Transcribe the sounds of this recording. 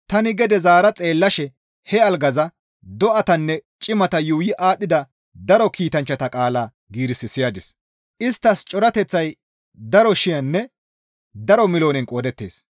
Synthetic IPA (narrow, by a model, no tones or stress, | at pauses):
t̪ɐnɪɡɛd̪ɛzaːɾɐt͡sʼe̞ːlːɐʃɛ | hɛɐlɡɐzɐ | d̪ɔʔɐt̪ɐnːɛt͡ʃʼɪmɐt̪ɐjuːjɪʔaːɗːɪd̪ɐ | d̪ɐɾɔkiːt̪ɐnt͡ʃːɐt̪ɐkʼaːlaː | ɡiːɾɪsɪsɪjaːd̪ɪs | ʔɪst̪ːɐst͡ʃʼɔɾɐt̪ɛt͡sːɐj | d̪ɐɾɔʃɪjɐnːɛ | d̪ɐɾɔmɪloːnɛnkʼoːd̪ɛt̪ːe̞̰ːs